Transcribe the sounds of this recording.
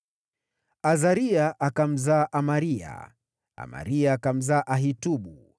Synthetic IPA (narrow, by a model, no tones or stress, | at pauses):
azaɾiaʔakam̩zaʔamaɾia̰ | a̰ma̰ɾiaːkam̩zaːʔaɦituɓu